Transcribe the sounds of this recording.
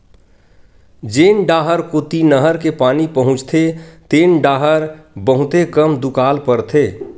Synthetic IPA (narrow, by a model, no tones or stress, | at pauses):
d͡ʒeːnɖaːɦəɾkot̪inəɦəɾkepaːnipəɦʊ̃t͡ʃt̪ʰet̪eːnɖaːɦəɾbəɦʊt̪ekəmd̪ʊkaːlpəɾt̪ʰeː